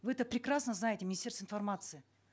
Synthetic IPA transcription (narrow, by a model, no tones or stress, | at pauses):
vɨɛt̪əpɾʲɪkrasnəznajɪtʲɪmʲɪnʲɪsʲe̞rsəɪnfɐrmat̪sɨɪ